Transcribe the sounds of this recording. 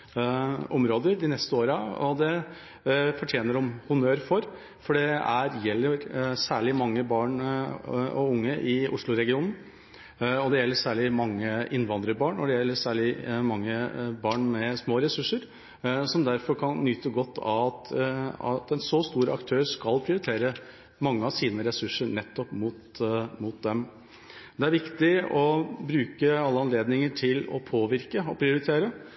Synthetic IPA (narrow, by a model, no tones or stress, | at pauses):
ʔɔmɾoːd̪əɾd̪ɪnɛst̪əoːɾəɔd̪ɛ | fɔʈʰjeːnəɖɔmhʊnøːɾfɔɾ | fɔɖɛæɾjɛlːəɾsæːɭɪmɑŋːəbɑːɳ | ɔ̰ʊŋːəʔɪʔʊ̰ʂɭʊɾɛɡɪuːnn̩ | ɔd̪ɛjɛlːəsæːɭɪmɑŋːəʔɪnːʋɑnd̪ɾəbɑːɳɔd̪ɛjɛlːəɾsæːɭɪmɑŋːəbɑːɳmɛsmoːɾɛsʉʂəɾ | sɔmd̪æɾfɔɾkʰɑnːʏːt̪əɡɔt̪ːɑ̰ʋɑt̪ɑ̰t̪ɛnsoːst̪uːɾəɑ̰kt̪ʰøːɾskɑlpʰɾɪʊɾɪt̪ʰeːɾə | mɑŋːəɑʋsiːnəɾɛsʉʂːəɳɛt̪ːɔpmʊːt̪mʊt̪̚d̪ɛm | d̪ɛæɾʋɪkt̪ɪɔbɾʉːkəɑlːəɑnleːd̪nɪŋəʈʰɪlɔ̰pʰoːʋɪɾkəɔpʰɾɪʊɾɪt̪ʰeːɾə